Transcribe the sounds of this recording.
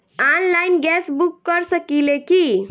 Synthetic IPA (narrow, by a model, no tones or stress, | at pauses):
anlajnɡɛsbukːəɾsəkileki